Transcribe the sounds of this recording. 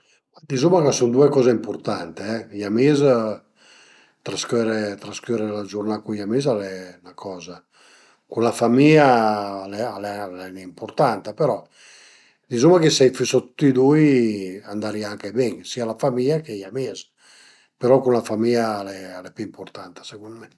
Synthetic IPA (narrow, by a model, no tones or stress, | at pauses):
ad̪izumakasund̪uekɔːzeimpoɾt̪ant̪eɛjamez | t̪ɾaskøɾet̪ɾaskøɾelad͡ʒurnakujamezalɛnakʰɔːza | kunlafamialɛalɛlɛnimport̪ant̪apeɾɔ | d̪izumakesɛjfisot̪u̥t̪ːid̪ujand̪aɾiaŋkebɛŋsiːalafamiakejamez | peɾɔkunlafamialɛalɛpiimport̪ant̪ḁseɡunmɛ